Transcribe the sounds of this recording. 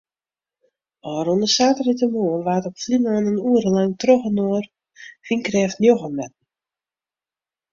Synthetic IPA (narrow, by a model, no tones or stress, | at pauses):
ɔːɾondəsaːtəritəmoːəlʋaːtɔpflinaːnənuəɾəlaŋtroxənoər | finkrɛːftnjoxəmɛt̚n̩